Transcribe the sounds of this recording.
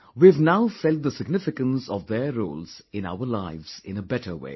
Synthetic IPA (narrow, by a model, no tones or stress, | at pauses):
wivnaʊfɛlt̚d̪əsɪɡnɪfɪkə̃nsɔvðəɾo̰ːlz̥ɪ̃na̰ʊəlaɪvz̥ɪ̃nəbɛʈəwḛː